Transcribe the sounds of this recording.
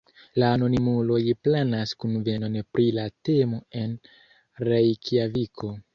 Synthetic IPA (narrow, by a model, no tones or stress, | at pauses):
laːno̞nimulo̞jplanaskunve̞no̞npɾilate̞mo̞e̞n | ɾejkʰiavikʰo̞